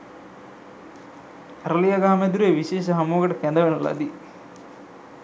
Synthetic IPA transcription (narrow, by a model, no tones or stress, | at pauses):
ɾɐlijɐɡaːmed̪uɾeːʋiʃeːʃɐɦɐmoːɡɐʈɐkend̪ɐʋenɐla̰d̪i